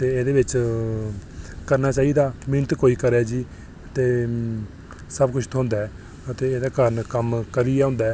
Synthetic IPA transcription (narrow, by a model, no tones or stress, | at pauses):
t̪eːeːd̪eːbɪt͡ʃ | kəɾnaːt͡ʃaːiːd̪aːmɪnt̪koːiːkəɾɛːd͡ʒiː | ət̪eː | səbkʊt͡ʃʰt̪ʰoɦʊ̃ːnd̪aːɛː | ət̪eːeːd̪aːkəɾənkəmkəɾiɛːʊ̃ːnd̪aː